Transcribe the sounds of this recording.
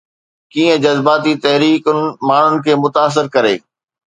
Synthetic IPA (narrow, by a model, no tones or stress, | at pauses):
kiːə̃d͡ʑɐzbaːt̪it̪ɐɦɾiːkʊnmaːɳ̤ʊnɪ̆kʰeːmʊt̪aːs̬ɪɾkɐɾḛː